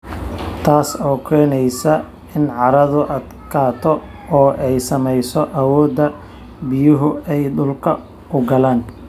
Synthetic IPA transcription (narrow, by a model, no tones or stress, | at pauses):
t̪ʰaːsɔːkʰɛːnɛjsɐ | ɪnʕɑɾɐðʊʔɐd̪kʰaːt̪ʰɔ | ɔːʔɛjsɐmɛjsɔʔɐwɔːd̪ɐ | bɪjʊɦʊɛjdʊlkʰɐ | ʊɡɐlaːn